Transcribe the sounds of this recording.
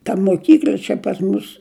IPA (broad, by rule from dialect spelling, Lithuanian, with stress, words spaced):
tɐ moːˈkʲiːklʲɐ t͡ʃʲɛ pɐs ˈmʊs